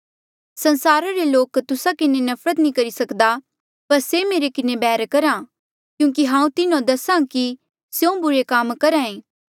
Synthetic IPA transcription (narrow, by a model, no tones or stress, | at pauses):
sɐnsaːɾaɾeloːkt̪ʊsakɪnenɐfʰɾət̪nĩkɐɾisɐkd̪a | pɐɾsemeːɾekɪnẽbɛːɾkɐɾãː | kjũːk̬iɦãːũt̪ɪnõd̪ɐsãːki | sjoõbʊɾekaːmkɐɾãːẽː